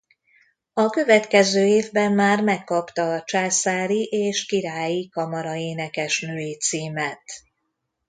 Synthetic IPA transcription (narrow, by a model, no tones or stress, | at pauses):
ɒkø̞vɛt̪kɛzøːeːvbɛmːaːrmɛkːɒpt̪ɒt͡ʃaːsaːɾiʔeːʃkiɾaːjikɒmɒɾɒeːnɛkɛʃnøːeːt̪siːmɛt̪